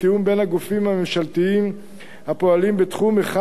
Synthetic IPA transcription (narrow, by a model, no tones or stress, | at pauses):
tiumbe̞nhaɡufimhamemʃalt̪iim | hapo̞alimbet̪χumeχa